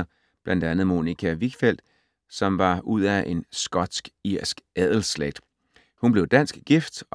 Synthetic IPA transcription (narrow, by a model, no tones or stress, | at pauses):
ɐ | b̥læn̰d̥ænð̞̩ˠmo̝nikʰæʋiɡ̥fel̰d̥ | sɒ̽mʋɑ̈uð̞̰ˠæʔe̝nsɡ̥ɒ̽d̥sɡ̥iɐ̰sɡ̥æð̰ˠl̩sleɡ̥̚d̥ | hunb̥le̝ʊd̥æn̰sɡ̥ɡ̥ifd̥